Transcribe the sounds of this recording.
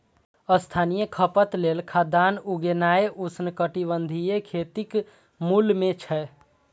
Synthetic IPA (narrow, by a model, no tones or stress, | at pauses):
əst̪ʰanijekʰəpət̪lelkʰad̪anuɡenaeʔusnkəʈibənd̪ʱijekʰet̪ik | mulmet͡ʃʰɛ